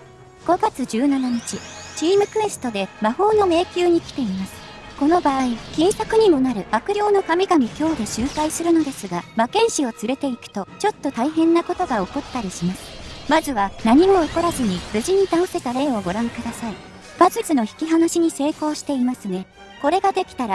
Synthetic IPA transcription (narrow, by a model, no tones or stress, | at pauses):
ɡ̥o̞ɡat͡sɨd͡ʑɨːnanaɲ̟it͡ɕit͡ɕiːmɯ̟kɯ̟e̞sɨ̥t̪o̞d̪e̞maho̞ːno̞me̞ːkʲɨːɲ̟ikʲi̥t̪e̞imasɨ̥ | ko̞no̞baːikʲĩɰ̃sakɯ̟ɲ̟imo̞naɾɯ̟akɯ̟ɾʲo̞ːno̞kamʲiɡamʲikʲo̞ːd̪e̞ɕɨːkaisɨɾɯ̟no̞d̪e̞sɨɡamakẽ̞ɰ̃ɕio̞t͡sɨɾe̞t̪e̞ikɯ̥t̪o̞t͡ɕo̞t̪ːo̞t̪aiɦẽ̞nːako̞t̪o̞ɡao̞ko̞t̪ːaɾʲiɕimasɨ̥mazɨβanaɲ̟imo̞oko̞ɾazɨɲ̟ibɯ̟ʑiɲ̟it̪ãõse̞t̪aɾẽ̞ːo̞ɡo̞ɾãŋkɯ̟d̪asai | b̥azɨzɨno̞çi̥kʲiɦanoɕiɲ̟ise̞ːko̞ːɕi̥t̪e̞imasɨne | ko̞ɾe̞ɡad̪e̞kʲi̥t̪aɾa